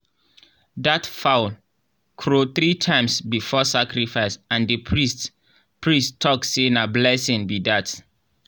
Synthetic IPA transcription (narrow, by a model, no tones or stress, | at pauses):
datfaʊl | kʰɹoθɹitʰãɪ̃msbifɔsakɹifaɪsãndəpʰɹist | pʰɹistʰːɔksenablɛsɪ̃ŋbidat